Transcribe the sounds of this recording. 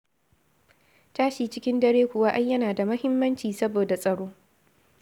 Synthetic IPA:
taː˦ʃiː˨t͡ʃɪ˦kʲɪ˦ndɐ˦ɽeː˦kʷʊ˨wa˦ʔa˦jjɐ˦naː˨da˨mɐ˦hɪ˦mːɐ˦nt͡ʃiː˨sɐ˦boː˨da˨sʼɐ˨ɽoː˦

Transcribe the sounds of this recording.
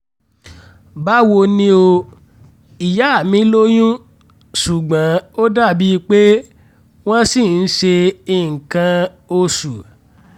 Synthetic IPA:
ba˦wo˧nĩ˦o˧ | i˨ja˨˦a˦˨mĩ˨˦lo˦j̃ũ˦ | su˨ɡ͡bã˨˦o˦da˦˨bi˦˧k͡pe˦ | w̃ɔ̃˦si˦˨n̩˦ʃe˧i˦˨ŋ̩˨kã˧ | o˧su˨

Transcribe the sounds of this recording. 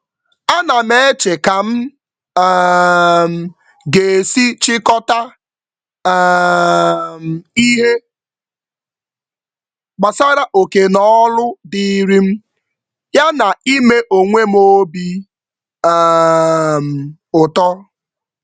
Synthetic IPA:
a˦na˨me˦e˦t͡ʃe˨ka˨m̩˦ | m̩˨ | ɡe˨si˦t͡ʃɪ˦kɔ˦ta˦ | m̩˨i˦ɦe˦ | ɡ͡ba˨sa˦ɾa˦ʔo˨ke˨nɔ˦lʊ˦di˦ɾi˦m̩˦ | ja˦na˨i˦me˦ʔo˨ŋʷe˦m̩˦o˦bi˦ | m̩˨ | ʊ˨tɔ˦

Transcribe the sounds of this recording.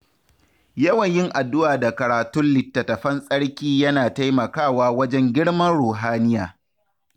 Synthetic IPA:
jɐ˦wɐ˨ɲjɪ˦ŋʔa˨dːʊ˦ʔaː˨da˨kɐ˨ɾaː˨tʊ˦nlɪ˨tːɐ˨tɐ˨ɸɐ˦nsʼɐ˦ɽkʲiː˦jɐ˦naː˨ta˦jmɐ˨kaː˦˨waː˦wɐ˦d͡ʒɛ˦ŋɡʲɪ˦ɽmɐ˦nɽoː˨ɦaː˦nɪ˦jaː˨

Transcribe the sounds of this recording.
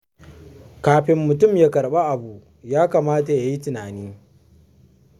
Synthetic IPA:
kaː˨ɸɪ˨mːʊ˨tʊ˦mjaː˦kɐ˨ɽɓa˦ʔa˨buː˨ʔ | jaː˦kaː˨maː˦ta˨ja˨ji˦tɪ˨naː˨niː˦

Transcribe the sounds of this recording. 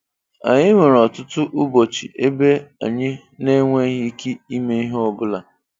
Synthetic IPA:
a̰˨ɲɪ˦ŋʷe˨ɾɔ˨tʊ˦tʊ˦ʔʊ˦bo˨t͡ʃḭ˨ʔe˦be˦a̰˨ɲɪ˦ | ne˦ŋʷe˦ɦɪ˦ki˦i˦me˦i˦ɦɔ˦bʊ˦la˨

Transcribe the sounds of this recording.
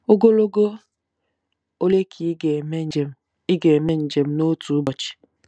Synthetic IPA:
o˦ɡo˦lo˦ɡo˦ | o˦le˦kʰi˨˦e˨m˦e˨m˨ | i˦ɡe˨me˦n̩˨d͡ʒe˨m̩˦no˦tu˨˦bɔ˨t͡ʃi̥˨

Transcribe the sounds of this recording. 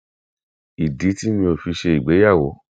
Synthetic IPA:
i˨di˨˦ti˦mĩ˧o˧˨fi˧ʃe˧i˨ɡ͡be˨˦ja˦˨wo˨˦

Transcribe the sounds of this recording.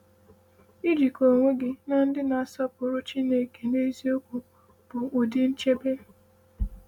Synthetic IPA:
i˦d͡ʒi˨ko˨ŋʷe˦ɡɪ˨na˦n̩˦dɪ˦na˨a˨sɔ˦pʊ˨ɾʊ˦t͡ʃi˦ne˨ke˨ne˦zi˦o˦kʷu˨ | b̥ʊ˨ʊ˨dɪ˦n̩˦t͡ʃe˦be˦

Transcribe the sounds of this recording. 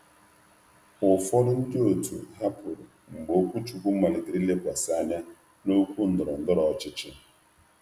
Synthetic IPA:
ʊ˨fɔ˦ɾʊ˦n̩˦dɪ˦o˨tṵ˨ɦa˦pʊ˨ɾ | ŋ͡m̩˨ɡ͡bo˦kʷu˦t͡ʃu˨kʷu˦ma˨lɪ˨ɡɪ˨ɾi˦le˦kʷa˨sa˦˨ɲa˦ | no˦kʷu˦n̩˨dʊ˨ɾɔ˨n̩˨dʊ˦ɾɔ˨˦t͡ʃɪ˦t͡ʃɪ˦

